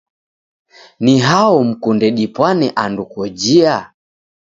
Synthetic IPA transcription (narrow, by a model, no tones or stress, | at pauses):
niɦaɔm̩kundɛɗipwanɛʔandukɔd͡ʒia